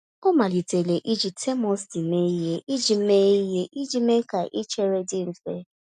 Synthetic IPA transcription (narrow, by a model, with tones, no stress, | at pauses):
o˦ma˨li˨te˨le˨ʔi˦d͡ʒi˨tʰe˦mɔ˦sdi˨˦me˦i˦ɦe˦ʔi˦d͡ʒi˨m̩˦me˦i˦ɦe˦ʔi˦d͡ʒi˦me˦ka˨ʔi˦t͡ʃe˦ɾe˦dɪ˦m̩˨fe˦